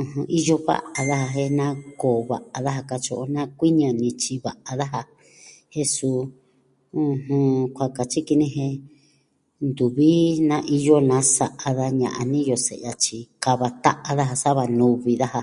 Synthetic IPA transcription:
ũ˧˨hũ˧ʔi˦jo˦βa̰˦ʔa˨ða˦ha˧ɦe˧nã˦koː˨βa̰˨ʔa˧ða˦ɦa˧ka˧t͡ʃo˧ʔo˧nã˦kʷi˦ɲã˧nĩ˧t͡ʃi˧βa˨ʔa˧ða˦ɦa˧ | he˦su˧ | ũ˧hũ˧kʷa˧ka˨t͡ʃi˦ki˧nĩ˦ɦe˧ | nd̪u˨βi˦nã˧ʔi˧jo˦nã˧˦sa˧ʔa˧ða˧ɲã̰˧ʔa˧nĩ˦jo˧sḛ˨a˧t͡ʃi˧ka˧βa˧t̪a˦ʔa˧ða˦ɦa˧sa˦βa˧nũ˧βi˧ða˦ha˧

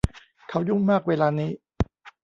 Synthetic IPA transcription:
kʰa˦˥wju˥˩ŋmaː˥˩k̚weː˧laː˧niː˦˥

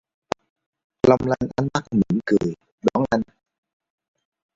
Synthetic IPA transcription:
la˧wŋ͡mla˧nʔa˨˧nma˦˥k̚mi˧˨˩nkɨ˨˩əj | ɗɔ˨˦nʔa˧jŋ

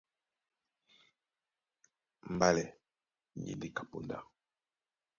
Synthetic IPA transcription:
m̩˨ba˦lɛ˨ | ɲḭ˨ndi˦ka˨pṵ˨nda̰˦

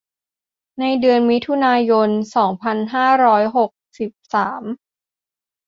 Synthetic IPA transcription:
na˧jdɯ˧ənmi˦˥t̪ʰu˧naː˧jo˧nsɔː˩˦ŋpʰa˧nɦaː˥˩ɾɔː˦˥jɦo˨˩k̚si˨˩p̚saː˩˦m

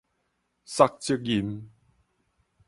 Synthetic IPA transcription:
sa˧k̚t͡si˥k̚ji˨˩m

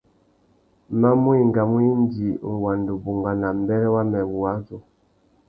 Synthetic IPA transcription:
ma˦mwi˦ŋɡa˨mwi˦ndi˨ŋ˨wa˨ndu˨bu˨ŋɡa˨na˨mbɛ˦ɾɛ˦wa˦mɛ˨βu˨a˦zɔ˨

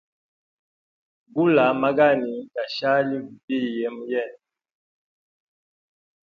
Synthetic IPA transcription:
ɡu˦la˨ma˦ɡa˦˨ni˨ka˨ʃa˦li˦ɡu˨bi˦˨jɛ˨˦m˦jɛ˦˨n

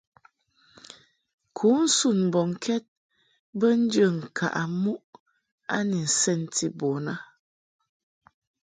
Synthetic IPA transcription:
kʰu˨˦n̩˦su˦˨nm̩˨bɔ˨ŋ̩˨kʰɛ˦t̚ | bə˦n̩˦d͡ʒə˦˨ŋ̩˨kʰa̰˨ʔa˨mu˦ʔ | a˦ni˨n̩˨sɛ˦˨n˨ti˦bɔ˨na˦

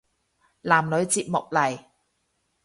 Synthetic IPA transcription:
laː˨˩mlɵ˨˧ɥt͡siː˧p̚mʊ˨k̚lɐ˨˩j

